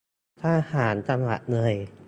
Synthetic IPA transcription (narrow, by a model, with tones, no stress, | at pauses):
t̪ʰaː˧˩haː˩˦nt͡ɕa˧mwa̰˨˩t̪̚nɤ˧˩j